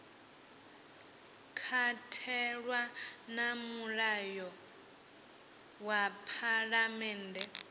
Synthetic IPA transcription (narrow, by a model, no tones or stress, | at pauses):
kʰatʰɛɺwanamuɺajɔ | wapʰaɺamɛːndɛ